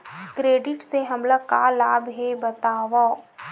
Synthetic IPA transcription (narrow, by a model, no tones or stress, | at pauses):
kɾeːɖɪʈseɦɐmlakalaːbɦebɐt̪aːʋaː